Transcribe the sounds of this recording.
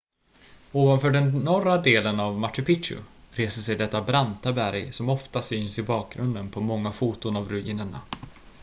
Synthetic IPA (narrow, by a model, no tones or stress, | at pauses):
oːvanfœːɖɛnːɔrad̪eːlənavmaʈːɪpɪʂʊ̰ | ɾeːsəsɛjd̪ɛt̪ːabɾant̪abæɾjsɔmɔft̪asyːnsɪbɑːk̚ɡɾɵnd̪ənpʰɔmɔŋːafuːt̪ʊnavɾɵḭːnəɳa̰